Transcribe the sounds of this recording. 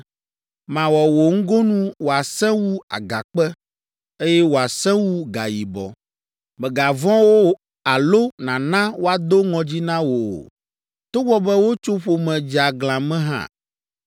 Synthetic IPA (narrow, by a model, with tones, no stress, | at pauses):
mã˨wɔ˨wo˨ŋ̩˦ɡo˦nũ˦wo˨a˨sɛ̃˦wu˦a̰˨ɡa˨k͡pɛ˦ | e˦jɛ˦wo˨a˨sɛ̃˦wu˦ɡa̰˨ji˨bɔ̰˨ | mɛ̃˨ɡa˨vɔ̃˦wo˦ | a˨lo˦nã˨nã˦wo˦a˨d̪o˦ŋɔ̃˨d͡ʑi˦nã˦wo̰˨ | t̪o˦wɔ˦bɛ˦wo˦t͡ʃo˦ɸo˨mɛ̃˨d͡ʒi˨a˨ɡl̃ã˨mɛ̃˦ɦã̰˦˨